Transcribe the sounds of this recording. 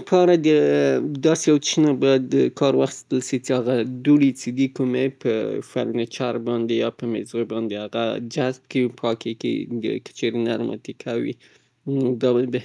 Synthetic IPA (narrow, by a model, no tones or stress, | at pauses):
pʰɑɾad̪əd̪ɑsejawt͡ʃinabajad̪əkʰɑɾwaxi̥st̪əlʃit͡seaɣad̪uɽit͡sed̪ikumepʰəfa̰ɾnet͡ʃaɾbɑnd̪ejɑpəmɪzobɑnd̪ehaɣa̰d͡ʒazb̚kepʰɑkekḛd̪ə̰kə̥t͡ʃeɾena̰ɾmɑ̰t̪ikʰawḭ | d̪ɑb